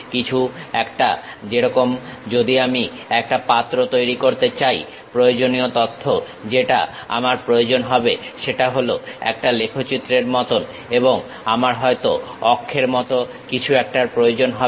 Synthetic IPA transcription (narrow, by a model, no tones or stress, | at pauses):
kit͡ɕʰuɛkʈa | d͡ʑeɾɔkomd͡ʑod̪iami | ɛk̚ʈapat̪ːɾot̪ojɾikoɾt̪et͡ɕaj | pɾojod͡ʑoniot̪ot̪ʰːo | d͡ʑeʈa̰a̰maɾpɾood͡ʑonɦɔbeʃeʈaɦoloɛ̰k̚ʈalekʰot͡ɕit̪ːɾeɾmɔt̪on | eboŋ | amaɾɦɔet̪oɔkʰːeɾmɔt̪o | kit͡ɕʰuɛk̚ʈaɾpɾojod͡ʑonɦɔ